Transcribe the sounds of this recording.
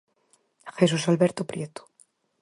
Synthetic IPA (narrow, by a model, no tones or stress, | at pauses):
xesusalβeɾt̪opɾjet̪o̥